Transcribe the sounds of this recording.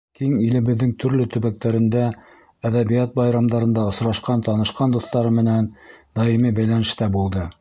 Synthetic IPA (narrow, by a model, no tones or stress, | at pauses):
kiŋilɘ̆βɘ̆ðːɘŋt̪ʰɵ̆ɾlɵt̪ɵ̆βæk̚t̪æɾɘ̆nd̪æ | æðæβijæt̪̚bɑjɾɑmd̪ɑɾɤ̆nd̪ɑŏsɾɑʃqɑnt̪ɑnɤ̆ʃqɑnd̪uθt̪ɑɾɤmɘ̆nænd̪ɑjimibæjlænɘ̆ʃt̪æbulˠd̪ɤ